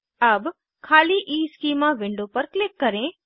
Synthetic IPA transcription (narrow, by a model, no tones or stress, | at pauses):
ɐb | kʰaːliːʔiːskiːmãʋɪ̃ɳɖopɐɾklɪkːɐɾẽ